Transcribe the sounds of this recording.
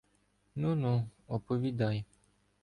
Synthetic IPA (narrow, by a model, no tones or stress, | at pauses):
nũnũɔpovid̪aj